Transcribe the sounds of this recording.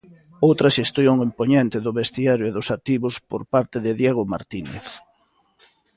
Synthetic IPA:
owt̪ɾaʃest̪joŋimpoɲent̪ɪðʊβest̪iaɾjoeðʊsat̪iβʊspoɾpaɾt̪eðɪðjeɣʊma̰ɾt̪inḛθ

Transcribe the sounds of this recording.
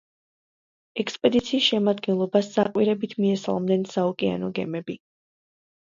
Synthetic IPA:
ɛkspʼɛd̪it̪sʰiːsʃɛmad̪ɡɛnlˠɔbasːaqʼwiɾɛbit̪ʰmiɛsa̰lˠmd̪ɛnsaukʼia̰nɔɡɛ̰mɛbi

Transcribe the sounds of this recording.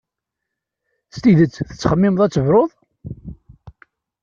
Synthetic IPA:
st̪iðət͡sːθə̥t͡sːχəmːɪməðˤæt͡sːəvɾˤoðˤ

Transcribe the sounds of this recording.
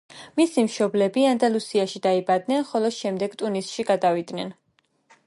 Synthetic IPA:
misimʃɔblɛbiand̪alˠusiaʃid̪aibad̪nɛnχɔlˠɔʃɛmd̪ɛɡt̪ʼunisʃiɡad̪avid̪nɛn

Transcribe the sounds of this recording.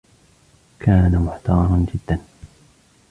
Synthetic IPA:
kʰaːnamʊħt̪ɑːɾˤɑnd͡ʒɪd̪ːan

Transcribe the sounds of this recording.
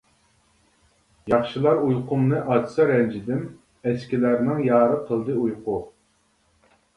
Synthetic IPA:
jɑχʃɨlˠɑɾujqʰʊmnɨʔɑd̪ɨsɨɾɛnd͡ʒid̪ɪm | ɛskʲilæɾnɪŋjɑːɾɨqʰəlˠd̪ɨujqʊ

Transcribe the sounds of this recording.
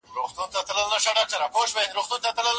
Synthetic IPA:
ɾoxt̪unt̪at̪ləlnaʃaɖaːk̚ʈaɾapoʃbenɾoxt̪unt̪at̪ləl

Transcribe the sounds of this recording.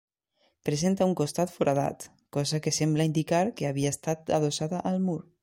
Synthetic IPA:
pɾezent̪auŋkost̪at̪foɾʔaða̰t̪ | kɔzakesemblaind̪ikaɾkeaβiast̪at̪aðosaðaʔːlˠmuɾ

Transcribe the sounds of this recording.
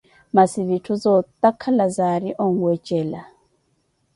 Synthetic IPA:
masiβitʰuzɔt̪ʼakʰalazaɾiʔɔŋ̩ɡwɛt͡ʃʼɛla

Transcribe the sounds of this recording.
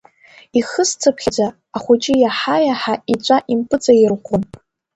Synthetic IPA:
iχəst͡sʰapʰχʲad͡zaː | χʷʊt͡ʃʼɪjaħajaħait͡ʃʷʼaʔimpʰʼɨt͡sʼajirχʷʰʊn

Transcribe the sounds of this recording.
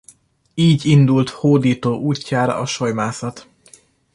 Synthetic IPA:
iːɟind̪ult̪hoːd̪iːt̪oːʔuːcːaːɾɒ̰ʔɒʃojmaːsɒt̪

